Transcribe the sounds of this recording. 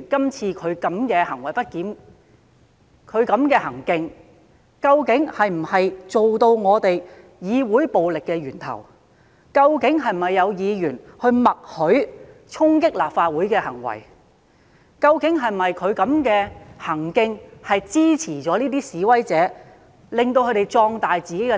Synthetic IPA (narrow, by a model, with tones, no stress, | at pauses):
kɐ˥mt͡sʰiː˧kʰɵ˨˧ɥkɐ˨˥mkɛː˧hɐ˨˩ŋwɐ˨˩jpɐ˥t̚kiː˨˥n | kʰɵ˨˧ɥkɐ˨˥mkɛː˧hɐ˨˩ŋkɪ˧ŋ | kɐ˧wkɪ˨˥ŋhɐ˨jm̩˨˩hɐ˨jt͡so˨wt̪o˧wŋɔː˨˧t̪e˨j | jiː˨˧wuː˨˥jpo˨wlɪ˨kːɛː˧ɥyː˨˩nt̪ʰɐ̰˨˩w | kɐ˧wkɪ˨˥ŋɦɐ˨jm̩˨ɐ˨jːɐ˨˧wjiː˨˧jyː˨˩nhɵ˧ɥmɐ˨k̚hɵ˨˥ɥ | t͡ʃʰʊ˥ŋk̬ɪ˥k̚laː˨pfaː˧t̚wuː˨˥jkɛː˧hɐ˨˩ŋwɐ̰˨˩j | kɐ˧wkɪ˨˥ŋɦɐ˨jmɐ˨jkʰɵ˨˧ɥkɐ˨˥mkɛː˧hɐ˨˩ŋkɪ˧ŋhɐ˨jt͡siː˥t͡sʰiː˨˩t͡sɔː˨˥niː˥t̪iː˥siː˨˧˥wɐ˥jt͡sɛː˨˧˥ | lɪ˨ŋt̪o˧wkʰɵ˨˧˥t̪e˨jt͡sɔː˧ŋt̪aː˨jt͡siː˨ke˨˥kɛ˧